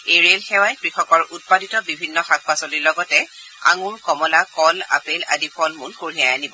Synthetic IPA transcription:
eɹelxɛwajkɹixɔkɔɹʔut̚paditɔbibʱinːɔxak̚pasoliɹlɔɡɔtɛ | a̰ŋuɹkɔmɔlakɔla̰pela̰dipʰɔlmunkoɹiajanibɔ

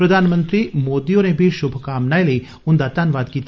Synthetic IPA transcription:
pɾɐd̪ʱaːnmə̃nt̪ɾimoːd̪iõnebʱiʃʊbʱəkaːmnaːelei | ʊnd̪aːt̪aːnʋaːd̪kiːt̪

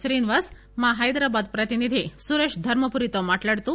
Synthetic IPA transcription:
sɾinʋas | maɦajd̪ɾabad̪pɾət̪inid̪ʱisuɾeʂd̪ʱəɾməpuɾit̪ɔmaʈləɽt̪u

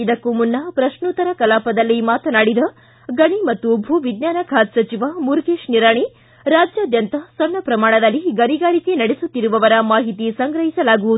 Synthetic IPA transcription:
id̪ɐkːumunːɐpɾɐʃnut̪ɐɾɐkɐlaːpɐd̪ɐlːimaːt̪ɐnaːɽid̪ɐ | ɡɐɳimɐt̪ːubʱuːʋid̪njaːnɐkʰaːt̪sɐt͡ʃiʋamuɾɡeːʃniɾaːɳi | ɾaːd͡ʒjaːd̪jɐnt̪ɐsɔnːɐpɾɐmaːɳ̃ɐd̪ɐlːiɡɐniɡaːɾikenɐɽesut̪ːiɾuʋɐʋɐɾɐmaːɦit̪isɐŋɡɾɐɦisɐlaːɡuʋud̪u

